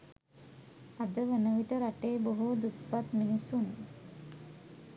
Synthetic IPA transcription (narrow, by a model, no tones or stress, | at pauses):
ad̪əʋənəʋiʈəɾaʈeːboɦud̪upʋat̪minisunḛ